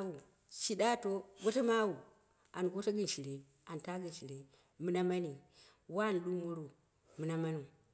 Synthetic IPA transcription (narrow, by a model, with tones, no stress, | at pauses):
wu˨ | ʃi˨ɗa˦to˦ɡo˦ta˦ma˦wu˨ | a˨nɡo˦ta˦ɡɨ˦n˨ʃi˨ɾe˨ | a˨n˨ta˦ɡi˨nʃi˨ɾe˨ | mɨ˦na˦ma˦ni˨ | wa˦˨n˨ɗu˦mu˦ɾu˨ | mɨ˨na˦ma˦nu˨